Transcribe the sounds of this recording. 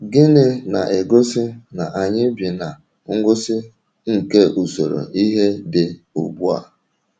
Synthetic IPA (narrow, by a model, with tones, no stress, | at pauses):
ɡɪ˦nɪ˦na̰˨ʔɪ˨ɡʊ˦sɪ˦na˨ʔa˨ɲɪ˦bi˨na˨ | ŋ̩˦ɡʊ˦sɪ˦ | ŋ̩˨ke˦ʔu˨so˨ɾo̰˨ʔi˦ɦe˦dɪ˨ | ʊ̰˨bu˦a̰˨